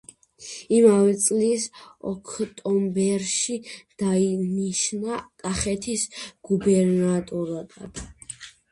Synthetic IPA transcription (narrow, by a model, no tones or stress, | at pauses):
imavɛt̪sʼlisɔ̰kʰt̪ʼɔmbɛɾʃid̪̥ainiʃnakʼaχɛt̪ʰisɡ̥ubɛɾnat̪ʼɔɾad̪a̰d̪̥